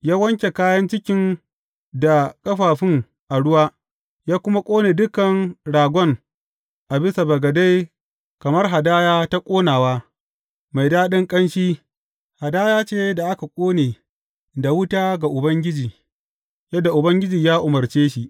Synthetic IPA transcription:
jaː˦wɐ˦ŋkʲe˨kaː˦jɐ˦nt͡ʃɪ˦kʲɪ˦n | da˨kʼɐ˦ɸaː˨ɸɪ˦ŋ | ʔa˨ɽʊ˦waː˦ | jaː˦kʷʊ˦ma˦kʷʼoː˦neː˨dʊ˦kɐ˨nɽaː˨ɡʷɔ˦ŋ | ʔa˨bɪ˦sa˨bɐ˨ɡɐ˨da˦j | kɐ˨mɐ˦rɦa˨daː˦jaː˦ta˦kʷʼoː˦naː˨waː˦ | ma˨jdaː˦ɗɪ˦ŋkʼɐ˦nʃiː˦ | ha˨daː˦jaː˦t͡ʃeː˦da˨ʔa˦ka˨kʷʼoː˦neː˨ | da˨wʊ˦taː˦ɡa˨ʔʊ˨bɐ˦ŋɡʲɪ˦d͡ʒiː˨ | jɐ˦dːa˨ʔʊ˨bɐ˦ŋɡʲɪ˦d͡ʒiː˨jaː˦ʔʊ˨mɐ˨rt͡ʃeː˦ʃi˨ʔ

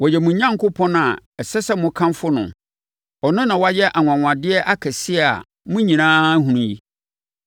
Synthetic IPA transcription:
wɔ˨jɛ˨mũ˨˦ɲã˦ŋkʊ˦pʰɔ̃˦na˨ɛ˨sɛ˦sɛ˦mʊ̃˨˦kʰã˦mfʊ˦nʊ̰̃˨ | ɔ˨nʊ̃˦nã˨wa˦jɛ˦ʔa˨ŋʷ˨ã˨ŋʷ˨ã˨dɪ˦ɛ˦ʔa˦kʰɛ˨sɪ˦ɛ˦˨a̰˨ | mʊ̃˦ɲĩ˨nãː˦ɦũ˨nũ˦ji˦

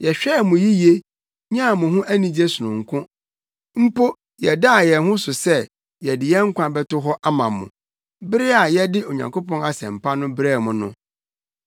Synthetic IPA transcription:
jɛ˨ɕᶣɛ˦˨mʊ̃˨ji˦je˦ | ɲ˦ã˦˨mʊ̃˨ɦʊ̃˦ʔæ˦nĩ˨d͡ʑe˦sʊ˨nʊ̃˨ŋ̩˨kʰʊ̃˦ | m̩˦po˦ | jɛ˨da˦a˨jɛ˨ɦʊ̃˦sʊ˨sɛ˦ | jɛ˨dɪ˨jɛ˦ŋ̩˦kʷã˨bɛ˦tʊ˦ɦɔ˦ʔa˦mã̰˨mʊ̰̃˨ | bɪ˦ɾɪ˦a˨jɛ˦dɪ˦o˨ɲã̰˨ŋkʰo˦pɔ̃˦na˨sɛ̰̃˨m̩˨pʰa˦nʊ̃˦bɪ˦ɾɛ˦˨mʊ̃˨nʊ̃˦

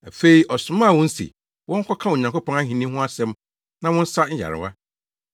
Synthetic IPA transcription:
a˨fe˦i˨ʔɔ˨sʊ̃˨mã˦˨wɔ̃˦n̩˦sḭ˨ | wʔɔ̃˦ŋ̩˦kʰɔ˦kʰã˦o˨ɲã˨ŋko˦pɔ̃˦ŋa˦ɦĩ˨nĩ˦ɦʊ̃˦a˦sɛ̃˦m | nã˨wɔ̃˦n̩˦sa˦ɲ̩˦ja̰˨ɾɪ̰˨wa˦

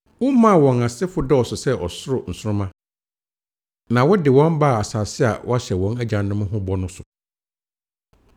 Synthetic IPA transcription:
wʊ̃˦mã˦˨wɔ̃˨na˨sɪ˦fʊ˦dɛ˦ɔ˨sʊ˨sɛ˦ʔɔ̰˨sʊ˦ɾʊ˨n̩˨sʊ˦ɾʊ̃˦mã˦ | nã˨wɔ˦dɪ˨wɔ̃˦mba˦˨a˨saː˨sɪ˦a̰˨wʔɔ̰˦a˦ɕɛ˨wɔ̃˦næ˦d͡ʑã˨nnʊ̃˦mʊ̃˦ɦʊ̃˦bɔ˦nʊ̃˦sʊ˨

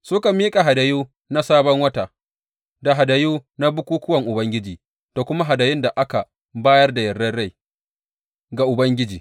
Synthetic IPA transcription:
sʊ˦ka˨miː˦kʼa˨ɦa˨da˨juː˦ | na˦saː˦bɔ˦ŋwɐ˦taː˨ | da˨ɦa˨da˨juː˦na˦bʊ˦kʷuː˦kʊ˦wɐ˨ŋʔʊ˨bɐ˦ŋɡʲɪ˦d͡ʒiː˨ | toː˨kʷʊ˦ma˦ɦa˨da˨jɪ˦nda˨ʔa˦ka˨ | baː˦jɐ˦rda˨jɐ˨rdɐ˦rɽa˦˨j | ɡa˨ʔʊ˨bɐ˦ŋɡʲɪ˦d͡ʒiː˨

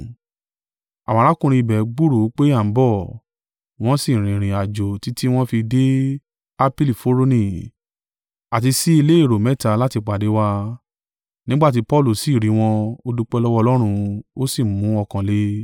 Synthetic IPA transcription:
ã˨ã˨˦ɾa˨˦kũ˧ɾ̃ĩ˧i˧˨bɛ˨˦ɡ͡bu˦ɾo˨˦k͡pe˦a˦˨˦bɔ˦˨ | w̃ɔ̃˦si˦˨ɾ̃ĩ˨ɾ̃ĩ˨a˨d͡ʒo˨ti˨˦ti˦w̃ɔ̃˦fi˧de˦ | a˧pi˦li˨fo˦ɾo˦nĩ˧˨ | a˨ti˧si˦i˧le˦i˦˨ɾo˨mɛ˨˦ta˧˦la˦ti˧k͡pa˨de˨˦wa˧ | nĩ˦ɡ͡ba˦˨t̬i˨˦pɔ˦˨lu˦˨si˨ɾi˨˦w̃ɔ̃˧o˧du˧k͡pɛ˧lɔ˦wɔ˦˧lɔ˦ɾ̃ũ˧o˦si˦˨mũ˨˦ɔ˧kã˧le˨˦

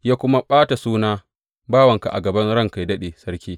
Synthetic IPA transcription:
jaː˦kʷʊ˦ma˦ɓaː˦ta˨suː˦naː˦ | baː˦wɐ˨ŋka˨ʔa̰˨ɡɐ˨bɐ˦nɽɐ˦ŋka˨jdɐ˦ɗeː˨sɐ˦ɽkʲiː˦

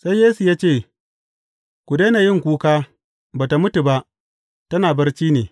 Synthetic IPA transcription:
sa˦jjeː˦su˨jaː˦t͡ʃeː˦˨ | kʷʊ˨deː˦naː˨jɪ˦˨ŋkʷuː˦kaː˦ | baː˨ta˨mʊ˦tu˨ba˦ʔ | tɐ˦naː˨bɐ˦rt͡ʃiː˦neː˨

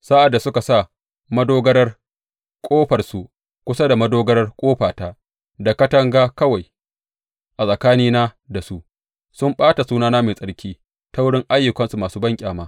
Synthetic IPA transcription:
sa˦ʔa˨dːa˨sʊ˦ka˨sa˦˨ | mɐ˦doː˦ɡɐ˦ɽɐ˦r | kʷʼoː˦ɸɐ˨rsu˨ʔ | kʷʊ˦sa˦da˨mɐ˦doː˦ɡɐ˦ɾɐ˦rkʷʼoː˦ɸaː˨taː˦ | da˨kɐ˦tɐ˦ŋɡaː˦kɐ˦wa˨j | ʔa˨sʼɐ˨kaː˦niː˦naː˦ | da˨su˦ʔ | sʊ˦mɓaː˦ta˨suː˦naː˦naː˦meː˨sʼɐ˦ɽkʲʰiː˦ | ta˦wʊ˦ɽɪ˦ŋʔa˦jːʊ˨kɐ˦nsu˨maː˨suː˦bɐ˦ŋkʲʼaː˨maː˦

